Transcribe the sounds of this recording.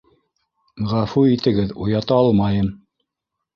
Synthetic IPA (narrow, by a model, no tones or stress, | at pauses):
ʁæfuit̪ɘ̆ɡɘðujɑt̪ɑɑlˠmɑjɤm